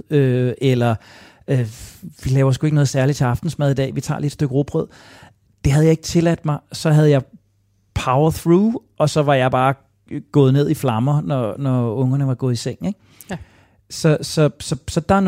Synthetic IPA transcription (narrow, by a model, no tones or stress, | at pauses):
øelɐ | øʋilɛːʊɐs̬ɡ̥ue̝ɡ̥nɔ̽ːð̩ˠsæɐli̥t͡sʰe̝ɑ̈fd̥n̩smɛð̞ˠidɛ̰ːʋit͡sʰɑ̰̈ːle̝d̥sd̥øɡ̥ʁob̥ʁœð̞̰ˠ | d̥e̝ɦæðˠjɑ̈e̝ɡ̥ət͡sʰe̝læd̥mɑ̈ɪsɒ̽ɦæð̞ˠjɑ̈ɪ | pʰäʊð̩ˠθʁuːʔɒ̽sɒ̽ʋɑ̈jɑ̈ɪb̥ɑ̈ː | ɡ̥ɔ̽ːð̞̩ˠne̝ð̞̰ˠiflɑ̈mɐnɒnɒɔ̽ŋɐnəʋɑ̈ɡ̥ɔ̽ːð̞̩ˠiseŋ̰neɡ̥ | sɒ̽sɒ̽sɒ̽sɒ̽d̥ɑn